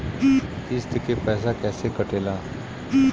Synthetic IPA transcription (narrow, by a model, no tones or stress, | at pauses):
ɪst̪əkepɛːs̬akɛːsekəʈeːlaː